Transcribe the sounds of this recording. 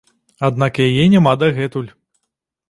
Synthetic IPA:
ad̪̚nakjajɛnʲamad̪ɐɣɛt̪ulʲ

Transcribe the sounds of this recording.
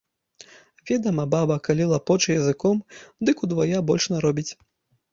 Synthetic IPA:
vʲɛd̪ɐmɐbabɐkalʲilˠapɔt͡ʃjɐzɨkɔmd̪ɨkud̪vajabɔlʲʂnɐɾɔbʲit͡sʲ

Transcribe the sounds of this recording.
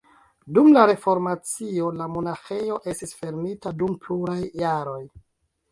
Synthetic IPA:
dumlaɾe̞fo̞ɾmat͡sio̞lamo̞naxe̞jo̞ʔe̞stisfe̞ɾmitadumpluɾajːaɾo̞j

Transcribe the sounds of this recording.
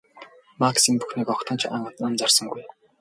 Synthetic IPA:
maksimpuxniːkɔkt̪ʰə̆nt͡ɕʰaɴɢt̪ant͡sarsə̆ŋɡuj

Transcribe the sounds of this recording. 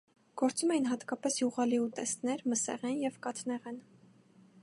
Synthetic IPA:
ɡ̥ɔɾt͡sumɛjinɦɑt̪kɑpɛsjuʁɑliut̪ɛst̪nɛɾməsɛ̰ʁɛnjɛvkɑt̪nɛʁɛn

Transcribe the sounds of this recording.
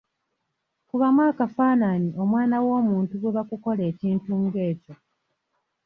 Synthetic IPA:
kuβamwaːkafaːnaniʔo̞mwaːnawo̞ːmuːntuɡeβakuko̞le̞ːciːntuːŋɡe̞ːco̞

